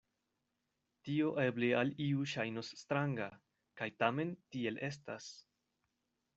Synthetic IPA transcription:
tio̞ʔe̞blealiuʃajno̞sːtɾaŋɡa | kajtame̞ntie̞lʔe̞sta̰s

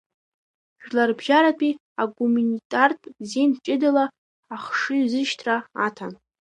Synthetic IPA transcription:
ʒlarbʒaɾapʼi | aɡumanitʼartʼzent͡ʃʼɪdalaː | χʂɨɥzɨʃtʰraatʰan

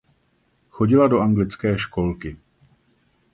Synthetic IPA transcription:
xo̞ɟɪlado̞ʔaŋɡlɪt͡skɛːʃko̞lkɪ

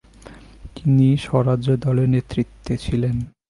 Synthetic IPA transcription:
t̪iniʃɔɾad͡ʑod̪ɔleɾnet̪ɾit̪ʰːet͡ɕʰilen

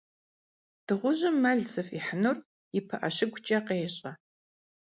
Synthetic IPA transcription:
d̥ɨʁʷʊʑɪmːɐɮt͡sɨfiħənor | ɪpʰɐʔɐɕɪɡʷʼt͡ʃʼɐqeːɕʼɐ

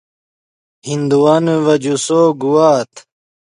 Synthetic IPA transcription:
hind̪uwɐneʋɐd͡ʑusoːɡuwaːt̪ʰ

